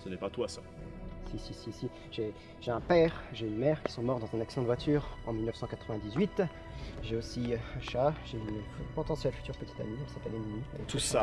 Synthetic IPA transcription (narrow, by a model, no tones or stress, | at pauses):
sənɛpat̪wasa | sisisisi | ʒe | ʒ̥eɛ̃pɛːʁʒeynmɛʁkʲi̥sɔ̃mɔʁd̪ɑ̃zɛ̃naksid̪̃d̪vwat̪ʰyːʁɑ̰̃milnœfsɑ̃kat̪χəvɛ̃d̪izɥit̪ | ʒeosiaʃaʒeynpɔt̪ɑ̃sjɛlfyt̪yʁpət̪i̥t̪amiɔ̃sapɛleminia̰ɛt̪usa